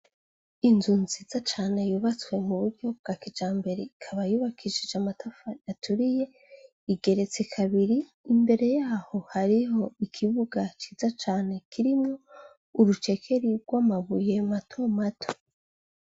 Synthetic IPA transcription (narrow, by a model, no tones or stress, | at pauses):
inzuːnziːzat͡ʃaːne̞juβat͡swe̞muβuɾɟo̞b̚ɡaːkid͡ʒaːmbe̞ɾeikʰaβajuβakʰiʃid͡ʒamatʰafajatʰuɾije̞ | iɡe̞ɾe̞t͡se̞kʰaβiɾiː | mbe̞ɾe̞jaːho̞haɾiɦo̞ikʰiβuɡat͡ʃiːzat͡ʃaːne̞kʰiɾimŋo̞ | uɾut͡ʃe̞kʰe̞ɾiɾɡwaːmaβuje̞matʰo̞matʰo̥